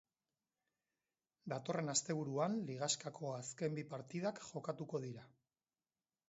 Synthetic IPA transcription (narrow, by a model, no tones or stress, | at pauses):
d̪at̪o̞re̞nast̪e̞β̞uɾuanliɣ̞askakʰo̞aske̞mbipaɾt̪ið̞akʝo̞kat̪uko̞ð̞iɾa